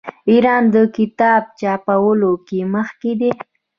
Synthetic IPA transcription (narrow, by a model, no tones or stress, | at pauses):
iɾɑnd̪əkɪt̪ɑb̚t͡ʃɑpawəlokeməxked̪e